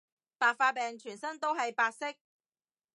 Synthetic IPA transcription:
paː˨˧k̚faː˧pɛː˨ŋt͡ʃʰyː˨˩nsɐ˥ŋt̪o˥wɦɐ˨jpaː˧k̚sɪ˥k̚

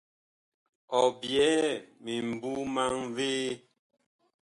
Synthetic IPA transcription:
ɔ˨bjɛ˨˦mi˨m̩˨bu˦ma˦ŋveː˦

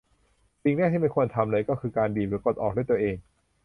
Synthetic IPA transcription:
si˨ŋnɛ˥˩t̪ʰiː˥miː˧˥˩kʰu˧ənt̪ʰa˧mɾɤ˧jkɔː˥˩kʰɯː˧kaː˧ndiː˨˩p̚lɯː˨˦˥ko˨˩t̪̚ʔɔː˨˩k̚du˥˩˨t̪əʔeː˧ŋ

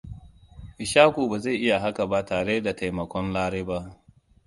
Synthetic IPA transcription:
ʔɪ˨ʃaː˦kʷoː˨baː˨za˦˨ʔɪ˦ja˨ɦa˦ka˨ba˦taː˨ɽe˦da˨ta˨jmɐ˨kʷɔ˦nlaː˦ɽeː˦ba˦ʔ

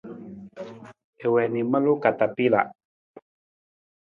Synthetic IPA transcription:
e˨wɛ˨ni˨ma˦lo˦ka˨t̪a˨pi˦˨la̰˨ʔ

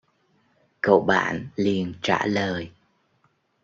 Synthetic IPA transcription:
kə̰˧˨wɓa̰ː˧˨nli˨˩ənt͡ɕa̰ː˧˩ləː˨˩j

